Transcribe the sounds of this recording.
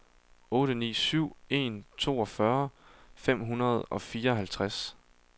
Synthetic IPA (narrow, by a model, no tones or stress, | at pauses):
ɔ̽ːɾ̥ənḭːsyʊ̰e̝̰ːnt͡sʰo̝̰ːɒ̽fɶɐfem̰ɦunɐð̞ˠɒ̽fiːɐɒɦælt͡sʰʁas